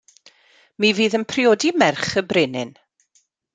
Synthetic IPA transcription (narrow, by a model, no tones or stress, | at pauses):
miviːðənpʰrioːdimɛrχəbrɪnɪ̰n